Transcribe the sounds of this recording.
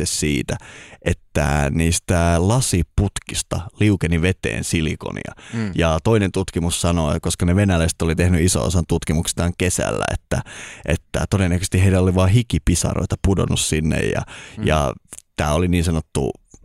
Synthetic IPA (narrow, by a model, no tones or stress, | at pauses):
essiːt̪æʔet̪ːæ̰niːst̪ælɑsiput̪kist̪ɑliukeniʋet̪ḛːnsilḭko̰nḭɑ̰jɑt̪oinent̪ut̪kimussɑnoikoskɑneʋenælæst̪olit̪ehnyiso̰o̰sɑnt̪ut̪kimukst̪ɑːŋkesæ̰lːæ̰ḛt̪ːæʔet̪ːæ̰t̪odenːækøst̪ihɦeidæoliʋɑːɦikipisɑ̰ro̰it̪ɑpudo̰nussinːḛjjɑ̰jɑ̰t̪æːoliniːnsɑnot̪ːṵ